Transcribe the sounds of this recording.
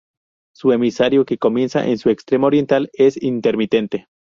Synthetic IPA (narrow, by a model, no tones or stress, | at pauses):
suemisaɾjoke̞ko̞mje̞nsa̰ʔḛnsue̞kst̪ɾe̞moɾje̞nt̪ale̞sint̪e̞ɾmit̪e̞nt̪e̞